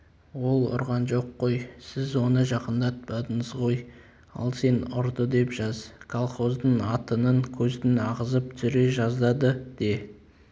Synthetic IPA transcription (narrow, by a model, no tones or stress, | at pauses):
wo̞lˠʊ̰ɾʁɑnʒo̞qːo̞jsɪzwo̞nəʒɑqənd̪ɑt̪̚bɑd̪əɴəzʁo̞j | ɑ̰lˠse̞nʊ̰ɾd̪əd̪e̞pʒ̥ɑzkʰolˠχo̞zd̪əɴɑt̪ənəŋkʲʰɵzd̪ɪnɑʁəzəp̚t̪ʰʏɾe̞ʒɑzd̪ɑd̪əd̪̥e